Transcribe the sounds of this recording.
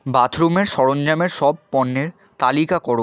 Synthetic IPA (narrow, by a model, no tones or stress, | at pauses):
bat̪ʰɾomeɾʃɔɽond͡ʑameɾʃɔb̚pɔnːeɾ | t̪alikakɔɾo